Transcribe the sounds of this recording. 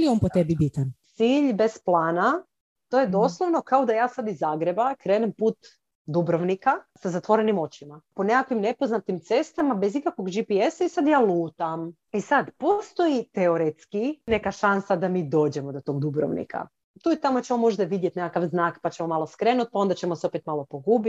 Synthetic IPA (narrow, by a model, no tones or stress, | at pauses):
ilionpot̪ebibit̪ant̪siːʎbe̞splˠaːna | t̪o̞jed̪o̞slˠoʋno̞kaod̪ajaːsad̪izaːɡɾe̞bakɾeːnempuːt̪ | d̪ubɾoʋnikasazat̪ʋo̞ɾenimo̞t͡ɕimaponekakʋimne̞po̞znat̪imt̪se̞st̪amabezikakʋo̞ɡd͡ʒipiesaisad̪jaːlˠuːt̪am | isad̪po̞st̪o̞it̪eoɾet̪skine̞kaʃansad̪amiːd̪o̞ːd͡ʒemod̪ot̪o̞ɡd̪ubɾo̰ʋnḭkʰa̰ | t̪uːit̪amot͡ɕemomo̞ʒd̪aʋid̪jet̪nekakaʋznaːkpat͡ɕemo̞malˠo̞skɾeːnut̪̚pao̞nd̪at͡ɕemoseopet̪malˠo̞po̞ɡuːbit̪